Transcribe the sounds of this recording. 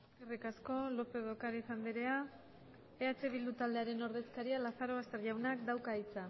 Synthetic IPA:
eskerikasko̞lo̞pe̞ðokaɾisand̪iɾe̞a | eat͡ʃe̞βild̪ut̪ald̪e̞aɾe̞no̞ɾðe̞skaɾialaθaɾo̞ast̪e̞ɾʎawnakd̪awkait͡sa

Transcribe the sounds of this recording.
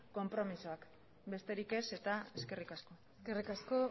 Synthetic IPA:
ko̞mpɾo̞misoak | be̞st̪e̞ɾike̞se̞t̪ae̞ske̞rikasko̞ | skerikasko

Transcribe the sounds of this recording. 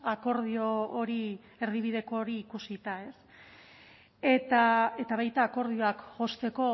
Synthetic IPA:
ako̞ɾð̞io̞ːɾi | e̞ɾðiβ̞iðe̞ko̞ːɾiːkusit̪ae̞s | et̪ae̞t̪aβ̞ajt̪aːko̞ɾð̞io̞akʝo̞st̪e̞ko̞

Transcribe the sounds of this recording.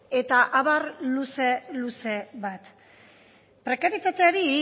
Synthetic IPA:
e̞t̪aʔaβarluse̞luse̞βat̪ | pɾe̞kaɾit͡s̪at͡seaɾi

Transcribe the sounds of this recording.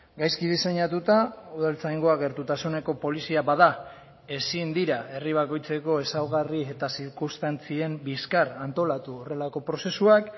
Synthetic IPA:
ɡajskið̞ise̞ɲat̪ut̪auðalt͡sajŋɡo̞aɣ̞e̞ɾt̪ut̪asune̞ko̞po̞lisiaβaða | e̞sind̪iɾae̞riβ̞ako̞jt͡se̞ko̞e̞sawɣarie̞t̪asiɾkust̪ant͡sie̞mbiskaɾant̪o̞lat̪uore̞lako̞pɾo̞se̞suak

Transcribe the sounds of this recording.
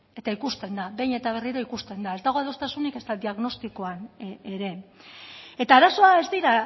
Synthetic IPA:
e̞t̪aikust̪e̞nd̪abe̞jɲe̞t̪aβ̞e̞riɾoikust̪e̞nd̪ae̞zd̪aɣo̞aðost̪asunike̞zt̪ad̪iaɣno̞st̪ikoaneɾe̞ | e̞t̪aːɾaso̞ae̞zd̪iɾa

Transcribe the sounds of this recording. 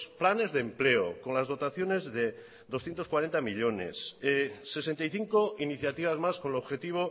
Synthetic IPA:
splane̞zðemple̞o̰ko̞nlazðo̞t̪aθjo̞ne̞zðe̞ | ðo̞sθjent̪okwaɾe̞nt̪amiʎone̞̰sese̞se̞nt̪ajθiŋko̞iniθjat̪iβ̞azmasko̞nloβxe̞t̪iβ̞o̞

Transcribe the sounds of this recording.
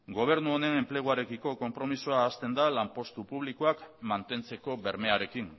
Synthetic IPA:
ɡo̞β̞e̞ɾnuone̞ne̞mple̞ɣuaɾe̞kiko̞ko̞mpɾo̞misuaːst̪e̞nd̪alampo̞st̪upuβ̞likoakmant̪e̞nt͡se̞ko̞βe̞ɾme̞aɾe̞kiŋ

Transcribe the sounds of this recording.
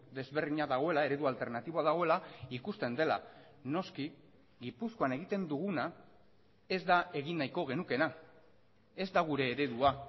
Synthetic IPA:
d̪e̞zβe̞rðiɲaðaɣ̞o̞e̞lae̞ɾe̞ðualt̪e̞ɾnat̪iβoaðaɣ̞o̞e̞laikust̪e̞nd̪e̞la̰no̞ski | ɡipuskoane̞ɣit̪e̞nd̪uɣuna | e̞zd̪ae̞ɣinːajko̞ɣ̞e̞nuke̞na | e̞zd̪aɣ̞uɾe̞ːɾe̞ðua

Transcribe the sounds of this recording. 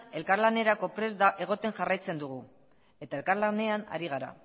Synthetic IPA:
e̞lkaɾlane̞ɾako̞pɾe̞zd̪aʔe̞ɣ̞o̞t̪e̞ŋʝarajt͡se̞nd̪uɣ̞u | e̞t̪ae̞lkaɾlane̞ana̰ɾiɣ̞aɾa̰

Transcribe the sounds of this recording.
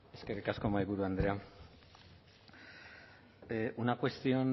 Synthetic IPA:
eskerikaskomaiɣuɾuand̪ɾea | ʔunakwe̞st̪io̞n

